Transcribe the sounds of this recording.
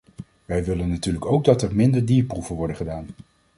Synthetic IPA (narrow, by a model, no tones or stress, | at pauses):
ʋɛjʋɪlənːatyːɹləkowɡ̚dɑtɛɹmɪndəɹdiːɹpruvənʋɔɹdəχədaːn